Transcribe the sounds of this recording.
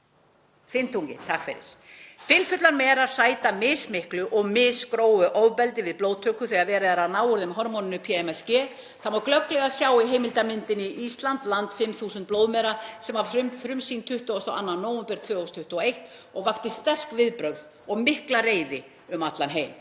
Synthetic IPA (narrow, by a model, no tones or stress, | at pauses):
θɪnt̪ʰuŋcɪ̰̥t̪ʰakfɪ̰ɾɪ̰ɾ̥fɪlfʏt̪laɾmɛːɾḁsaːjt̪amɪːsmɪhklʏʔɔɣmɪːskɾoːwʏʔɔːwpɛlt̪ɪvɪðploːwðt̪ʰœːkʏθɛɣaðvɛːɾɪðaɾaðnaːwɔɾðɪmɦɔɾmɔnɪnʏpʰiɛmɛscɛː | θamvaklœklɛɣasjaːwiɦeːjmɪlt̪amɪnt̪ɪniʔist̪lant̪lant̪fɪmθuːsnt̪̚ploːwðmɛɾasɛmaɾʏfɾʏmsint̪ʰʏht̪ʏɔst̪ɔʔa̰nːanːoːwɛmpɛɾ̥t̪ʰvœːost̪ʰʏht̪ʏɔejht̪ɔɣvakt̪ɪst̪ɛr̥kvɪðpɾœɣð | ɔɣmɪhklareːjðɪ | ʏmat̪lanɦeːjm